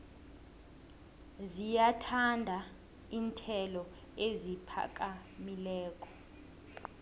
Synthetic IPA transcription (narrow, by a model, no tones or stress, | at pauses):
zijatʰandʱa | iːntʰɛlɔ | ezipʰa̰kʼamilɛːkʼɔ̥